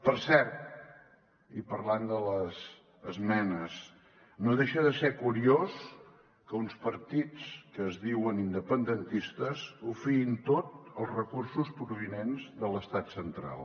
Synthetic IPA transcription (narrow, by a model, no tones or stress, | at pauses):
pəɾsɛɾt̪̚ | ipəɾland̪ələz | əzmɛnəs | noðeʃəðəsekuɾios | kəunspəɾt̪it͡skəːzðiwənind̪əpənd̪ənt̪ist̪əzufiint̪ot̪əlˠzrəkursuspɾuβinenzðələst̪at̪sənt̪ɾa̰lˠ